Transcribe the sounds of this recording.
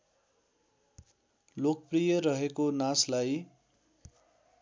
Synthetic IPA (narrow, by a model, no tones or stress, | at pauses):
lokprijʌɾʌɦekonaslaj